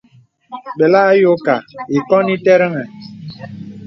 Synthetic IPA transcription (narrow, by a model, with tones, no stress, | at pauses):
ɓe˨la˦jo˦ka˨i˨kɔ˦ni˦te˦ɾə˦ŋɛ˨